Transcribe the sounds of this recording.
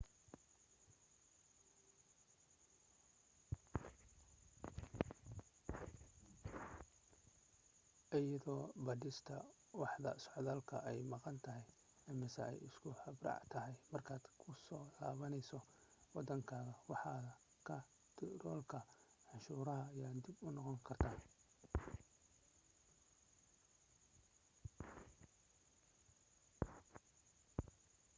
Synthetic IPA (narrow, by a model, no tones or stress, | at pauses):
ʔɪjɐðɔːbɐdɪst̪ʰɐ | wɑħðɐ̰sɔʕðaːlkʰɐʔɛjmɑqɑnt̪ʰɐɦɛj | ɐmɪsɐ̰ʔɛ̰jɪskʰʊhɐbrɑ̰ːʕt̪ʰɐɦɛjmɐrkʰaːd̪̥kʰʊsɔːla̰ːβɐnɛjsɔwɑd̪ːɐŋkʰaːɣɐwɑħɑːɐ | kʰɐ | t̪ʰɪɾɔːlkʰɐʕɑnʃuːɾɐɦɐːjaːd̪ibʊnɔqɔŋkʰɐrt̪ʰaːn